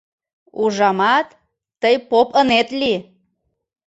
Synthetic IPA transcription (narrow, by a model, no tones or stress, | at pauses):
uʒɑmɑt̪ː | əjpopənet̪li